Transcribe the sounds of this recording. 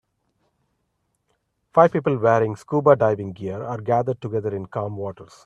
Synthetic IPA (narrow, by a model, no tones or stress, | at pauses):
faɪʋpiːpəlʋeːɾɪ̃ŋɡskuːbaɖaɪʋɪ̃ŋɡiəɾaːɾɡæːd̪əɾɖ̚ʈʊɡɛd̪əɾɪ̃nkãːmʋɔːʈəɾs